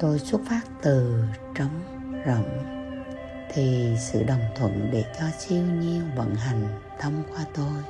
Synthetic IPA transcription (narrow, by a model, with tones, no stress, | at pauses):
t̪o˧jsu˦˥t̚faː˦˥t̚t̪ɨ˨˩t͡ɕə˨˦ŋ͡m | zə̰˧˩ŋ͡m | t̪ʰi˨˩sɨ̰˧˨ɗə˨˩wŋ͡mt̪ʰwə̰˧˥nɗe˧˩t͡ɕɔ˧t͡ɕi˧əwɲi˧əwvə̰˧˥nɦa˨˩jŋ̟t̪ʰə˧mkwaː˧t̪o˧j